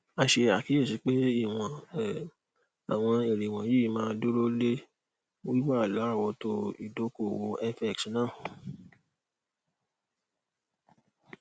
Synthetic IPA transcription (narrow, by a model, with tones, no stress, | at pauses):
a˧ʃe˧a˨ki˨˦e˦˨si˨˦k͡pe˦i˦˨w̃ã˨ | a̰˨w̃ɔ̃˧e˨ɾe˨w̃ã˨ji˦mãː˦do˦ɾo˦le˦ | o˦i˦wa˦˨la˨˦˨wɔ˧to˧ḭ˨do˨˦ko˦˨wo˧ɛ˦fɛ˦˨k̚snãː˦˨